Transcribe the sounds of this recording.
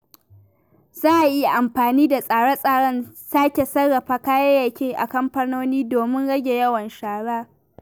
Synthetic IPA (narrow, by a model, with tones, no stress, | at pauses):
z̥aː˦ʔa˨ji˦ja˨ʔa˨mɸaː˨niː˦da˨sʼaː˨ɽa˦sʼaː˨ɽɐ˦˨nsaː˦kʲe˨sɐ˦ɽːɐ˨ɸaː˦kaː˦jɐ˦ja˨kʲeː˦ʔa̰˨kɐ˦mɸɐ˦noː˦niː˦doː˨mɪ˦nɽɐ˦ɡʲe˨jɐ˦wɐ˨nʃaː˨ɽaː˦